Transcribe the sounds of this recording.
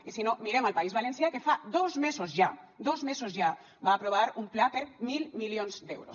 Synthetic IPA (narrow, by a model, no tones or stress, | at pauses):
isinomiɾeməlpaizβalensjakefad̪ozmezozʒa | d̪ozmezozʒa | baːpɾoβ̞aɾumplapəɾmilˠmiljonzd̪ewɾo̰s